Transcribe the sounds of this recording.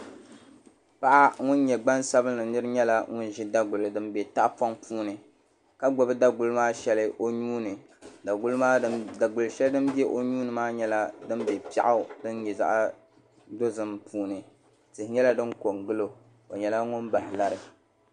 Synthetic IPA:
pa˦ʔa˦ŋʊ˦n˦ɲɛ˨ɡ͡ba˦nsa˦bɨ˦nːɨ˨nɨ˦ɾɨ˦ɲɛ˦la˦ŋʊ˦n˦ʒɪ˦da˦ɡʊ˨lɨ˨dɨ˦mbɛ˨ta˦ʔpa˦ŋpuː˦nɨ˨ | ka˦ɡ͡bɔ˨bɨ˦da˦ɡʊ˨lɨ˦maː˦ʃɛ˦lɨ˦ʔo˦ɲuː˦nɨ˨ | da˨ɡʊ˦lmaː˦a˨ɡʊ˨lɨ˨ʃɛ˦ldɨ˦m˦bɛ˦ʔo˦ɲuː˦nɨ˨maː˦ɲɛ˦la˦dɨ˦mbɛ˨pi˦a̰˦ʔa˦dɨ˦n˦ɲɛ˨za̰˦ʔ | do˦zɨ˨mpʰuː˦nɨ˨ | tɨ˨hɪ˨ɲɛ˦la˦dɨ˦nko˨ŋɡɨ˦lo˨ | o˨ɲɛ˨la˦ŋʊ˦nba˨hɪ˨la˦ɾɨ˨

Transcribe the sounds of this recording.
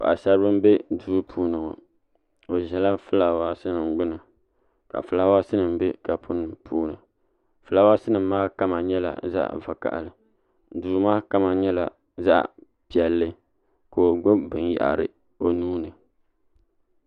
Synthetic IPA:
pa˨a˨sa˦ɾɨ˦bɨ˦m˦be˦duː˦pʰuː˦nɨ˨ŋɔ̰˨ | o˨ʒɛ˨la˦fɨ˦la˨waː˦sɨ˦nɨ˨mɡ͡bʊ˦nɨ˨ | ka̰˨fɨ˨la˦wa˦sɨ˦nɨ˨mbe˦ka˨pʰʊ˦nɨ˨mpʰuː˦nɨ˨ | fɨ˨la˦wa˦sɨ˦nɨ˨mː˦aː˦ka˦ma˨ɲɛ˦la̰˨za̰˦ʔva˨ka̰˨ʔlɨ˨ | duː˨˦maː˦ka˦ma˨ɲɛ˦la̰˨ | za̰˦ʔ | pi˨ɛ˨lːɨ˦ | ko˨o˨ɡ͡bʊ˦bɨ˨nja̰˨ʔɾɨ̰˨ | o˨nuː˦nɨ˨

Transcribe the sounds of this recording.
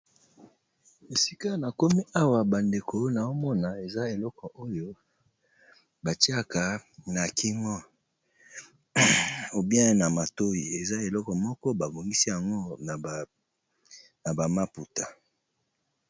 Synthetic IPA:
e˨si˦ka˦na˨ko˦mi˦ʔa˦wa˨ba˨nde˨ko˨˦na˨o˦mɔ˦na˨e˨za˦e˨lɔ˦kɔ˨ʔo˦jo˦ | ba˨ti˦a˦ka˨na˨ki˦ŋɔ˦ | o˨bi˦a˦e˦na˨ma˨to˦ji˨e˨za˦e˨lɔ˦kɔ˨mɔ˦kɔ˦ba˨bo˨ŋɡi˦si˦ja˨ŋɡo˦n˨ | na˨ba˨ma˦pu˨ta˨

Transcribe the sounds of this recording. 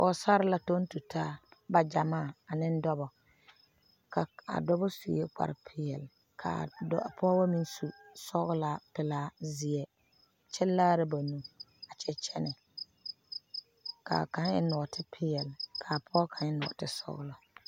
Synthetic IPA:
ʔɔ˨sa˦ɾɪ˦la˨to˦n˦tu˨tʰaː˦ba˨d͡ʒa˨maː˦˨a˨nɪ˦n˦dɔ˦bɔ˨ | ka˨a̰˨dɔ˦bɔ˦sṵ˨je˦k͡pa̰˨ɾɪ˨pʰɪ˦ɛ̰˨l | kʰa̰˨˦˨pʰɔ˦ba˦mi˦nsu˦sɔ˦ɣʊ˦la˨˦pɪ˨laː˦zɪ˨ɛ˨ | t͡ʃɛ˦lːaː˦ɾɪ˦ba˨nu˦ | a˨t͡ʃʰɛ˦t͡ʃʰɛ˦nɛ˨ | ka̰˨ka˨nɪ̰˦nɔ˨tʰɪ˦pʰɪ˦jɛ˨lkʰa˨pʰɔ˦kʰa˨nɪ˦nʊ̰˨tɪ̰˦sɔ̰˦ɣʊ̰˦lɔ˨

